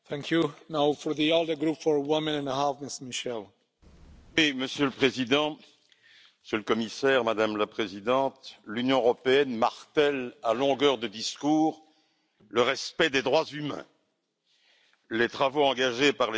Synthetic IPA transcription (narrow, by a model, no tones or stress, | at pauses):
θɛ̃ŋkʰjunawfɔɹðiolˠdə˞ɡɾupfɔɹwɪmɛ̃nɛ̃nəhafmɪstəmiʃɛl | wiməsjøləpχezid̪ɑ̃ | məsjøləkɔmisɛʁmad̪amlapχezid̪ɑ̃t̪lynjɔ̃əʁɔpeɛnmaʁt̪ɛlalɔ̃ɡœʁd̪əd̪iskuːʁ | ləʁɛspɛd̪ed̪ʁwazymɛ̰̃ | let̪χavoɑ̃ɡaʒepaʁle